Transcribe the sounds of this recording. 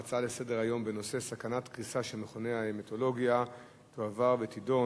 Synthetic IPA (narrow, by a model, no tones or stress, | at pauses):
at͡sale̞se̞de̞ʁajo̞mbe̞no̞sesakanatkʁisaʃemeχone̞aemeto̞lo̞ɡija | toavaʁvetido̞